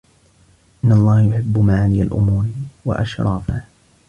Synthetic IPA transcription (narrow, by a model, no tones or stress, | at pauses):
ʔɪnːalˤːɑːhjʊħɪbːʊmaʕaːlɪja̰lʔʊ̰muːɾwa̰ʔaʃɾˤɑːfa